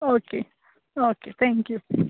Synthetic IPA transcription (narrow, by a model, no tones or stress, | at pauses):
oke | oket̪ɛ̃ŋkju